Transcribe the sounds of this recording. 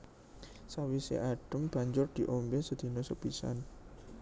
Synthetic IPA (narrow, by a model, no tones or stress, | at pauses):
sawisḛʔaɖ̥ə̤mb̥a̤ɲd͡ʒʊrd̪̥i̤ʔombesəd̪̥i̤nosəbisa̰n